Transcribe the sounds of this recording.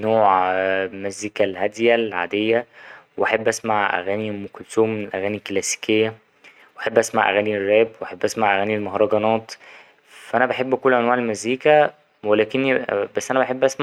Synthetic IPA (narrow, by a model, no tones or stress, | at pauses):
noːʕmæziːkælhæd̪jælʕa̰ːd̪ejːæweʔæħebːʔæsmaʕʔæ̰ɣæːnimokolsoːmːenelʔæɣæːniklæsi̥kejːæ | wʔaħebːʔæsma̰ʕʔæ̰ɣæːnirːæːbweʔæħebːʔæsmaʕʔæɣæːnilmɑhɾˤɑɡɑnɑːt̪ˤ | fæʔænæbeħebːkolːʔænwaːʕelmæzːiːkæ | welæːkenːbæsːʔænæbæħebːʔæsma